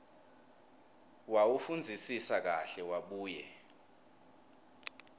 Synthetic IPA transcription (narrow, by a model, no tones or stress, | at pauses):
wawufund͡zʱisisak̬aɬɛwaɓuːjɛ̰